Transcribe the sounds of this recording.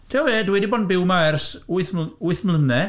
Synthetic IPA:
tʰeːɔveːdwɛdibɔdnbɪwmaɛrsuɨθmʊɨθmlənɛ

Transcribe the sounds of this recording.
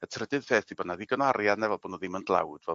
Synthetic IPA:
ətʰrədɨðpʰeːθibədnaðiɡənwaɾjadnɛvɛlˠboːnɔðɪməndlˠa̰wd̥vɛ

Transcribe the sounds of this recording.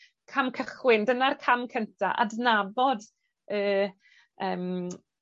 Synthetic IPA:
kʰamkʰəχwɪndənarkʰamkʰəntʰaʔa̰dnabɔd | əː | əːm

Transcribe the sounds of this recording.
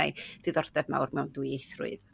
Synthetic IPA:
ajd̥ɨðɔrdɛvma̰wrmɛwnduiejθrʊ̰ɨð

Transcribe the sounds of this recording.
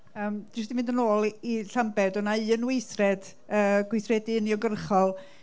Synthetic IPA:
əːmdɪsd̥imɪndənoːlˠiɬambɛdɔnaɨənwejθrɛd̥ | əːɡ̥wɪθrɛdɪniɔɡərχɔlˠ

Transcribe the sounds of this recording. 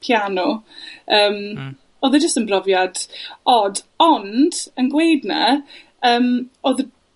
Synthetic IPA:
pʰjanɔəːm | oːðəd͡ʒəstənbrɔvjad̥ɔd | ndənɡwejdna̰ | əːmoðə

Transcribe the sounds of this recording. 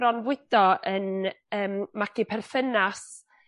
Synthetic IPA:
ɾɔnvwɪd̥ɔən | əːmmakipʰɛrθənas

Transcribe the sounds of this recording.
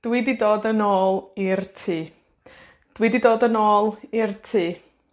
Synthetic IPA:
d̥wididoːdənoːlˠirtʰiː | d̥wiːdidoːdənoːlˠirtʰiː

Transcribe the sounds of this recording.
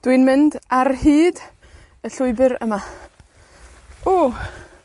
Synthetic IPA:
d̥wɨnmɪndarhiːd | əɬʊɨbɨɾə̰ma | oː

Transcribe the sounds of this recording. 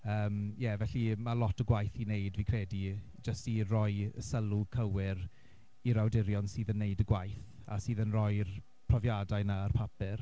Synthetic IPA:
əːmjɛvɛɬimalɔtʰəɡwajθinejdviːkʰrɛdi | d͡ʒəstirɔjəsəlˠukʰəwɪɾ | iɾawdɪɾjɔnsiːðənːeɨdəɡwajθ | a̰siːðənrɔjr | pʰr̥ɔvjadajnaːrpʰapɪr

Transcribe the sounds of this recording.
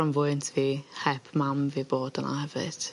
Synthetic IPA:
ɔnvʊɨntʰviːhɛpʰmamviboːdəna̰hɛvɪ̰d̥

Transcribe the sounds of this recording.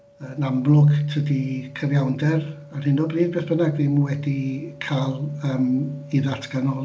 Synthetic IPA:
ənamlˠʊɡtʰədikʰəvjawndɛr | ar̥ɪnɔbriːðbeːθb̥ənaɡðimwɛdikʰalˠəːmiðatʰɡ̥anɔ

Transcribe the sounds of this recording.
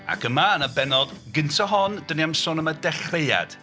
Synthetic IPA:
a̰kʰəmanabɛnɔðɡəntʰɔɦɔndəniamsʊnəmadɛχreja̰d̥

